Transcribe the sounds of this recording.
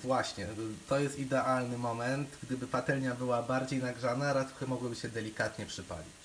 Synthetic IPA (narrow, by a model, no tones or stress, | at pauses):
vwaɕɲɛt̪ɔjɛst̪id̪ɛʔalnɘmɔmɛnt̪ɡd̪ɘbɘpat̪ɛlɲabɘwabaɾd͡ʑejnaɡʐanaɾat̪ɾɔxɛmɔɡwɘbɘɕɛd̪ɛlʲikat̪ɲɛpʂɘpa̰lʲit͡ɕ